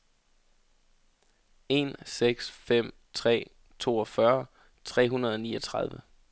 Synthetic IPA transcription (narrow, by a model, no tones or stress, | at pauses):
e̝nseɡ̥sfem̰ | t͡sʰʁɛ̰ː | t͡sʰo̝̰ːɒfɶɐ | t͡sʰʁɛ̰ːɦunɐð̞ˠɒ̽niːɒt͡sʰʁɑ̈ð̞ˠʋə